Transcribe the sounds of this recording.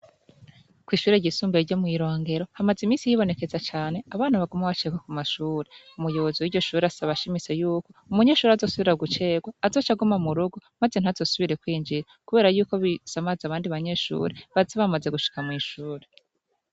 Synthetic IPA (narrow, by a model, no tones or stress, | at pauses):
kwiːʃuːɾe̞ɟisuːmbeɟomŋiːɾo̞ːŋɡe̞ɾo̞hamazimiːsijiβo̞ne̞ke̞zat͡ʃaːne̞aβaːnaβaɡumaβat͡ʃe̞ːɡwakumaʃuːɾe̞umujo̞βo̞ziwiɾɟo̞ʃuːɾeasaβaʃimit͡se̞juːko̞umuɲe̞ːʃuːɾazo̞ːsuβiɾaɡut͡ʃe̞ːɡwaːzo̞ːt͡ʃaɡumamuɾuɡumaze̞n̥hazo̞ːsuβiɾe̞kwiːnd͡ʒiɾakuβe̞ːɾajuːko̞βisamazaβaːndiβaɲe̞ːʃṵːɾe̞βazeβamaze̞ɡuʃi̥kamŋiːʃuːɾe